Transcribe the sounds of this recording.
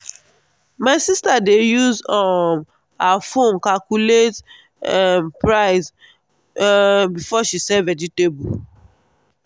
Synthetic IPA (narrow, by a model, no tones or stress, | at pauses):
maɪsistadejuzɔm | afõnkalkulet | mpɹaɪs | bifɔʃisɛvɛd͡ʒitebu